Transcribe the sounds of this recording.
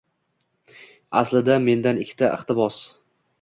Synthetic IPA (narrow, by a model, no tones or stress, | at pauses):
a̰slɪd̪ame̞nd̪anɪkʲʰːɪ̥t̪ʰaʔɪχt̪ɪbɒs